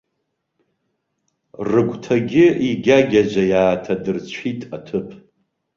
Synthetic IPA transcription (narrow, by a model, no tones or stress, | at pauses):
rɨɡʷtʰaɡʲɪiɡʲaɡʲad͡ʒʷajaːtʰadɨrt͡ɕʷʰitʼatʰɨpʰ